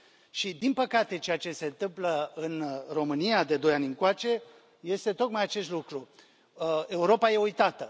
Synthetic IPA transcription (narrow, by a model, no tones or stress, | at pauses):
ʃid̪inpəkat̪e̞t͡ʃe̞at͡ʃe̞se̞nt̪ɨmpləɨnro̞mɨnijad̪e̞d̪o̞janʲɨnŋkwat͡ʃe̞ | je̞st̪e̞t̪o̞k̪majat͡ʃe̞st̪lukɾu | e̞uɾo̞paje̞ujt̪at̪ə